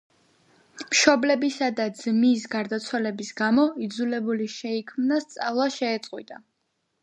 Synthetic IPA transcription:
mʃɔblɛbisad̪ad̪zmis̬ɡaɾd̪at̪sʰwalɛbisɡamɔid̪zulɛbuliʃɛikʰmnast̪sʼavlˠaʃɛːt̪sʼqʼwḭt̪ʼa

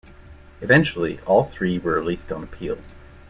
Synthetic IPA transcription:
ɨvɛ̃nt͡ʃl̩ˠiʔɔlˠθɹiwə˞ɨlistn̩əpʰḭlˠ

